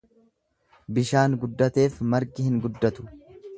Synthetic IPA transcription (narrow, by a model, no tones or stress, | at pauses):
bɪʃaːŋɡʊd̪ːɐt̪e̞ːfmɐɾɡɪhɪŋɡʊd̪ːɐt̪ʊ̥